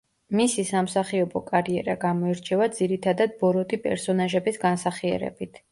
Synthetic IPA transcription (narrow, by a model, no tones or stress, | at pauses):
misisamsaχiɔbɔkʼaɾiɛɾaɡamɔɛɾt͡ʃʰɛvad̪ziɾit̪ʰad̪ad̪̚bɔɾɔt̪ʰʼipʼɛ̰ɾsɔnaʒɛbisɡansaχiɛ̰ɾɛ̰bit̪ʰ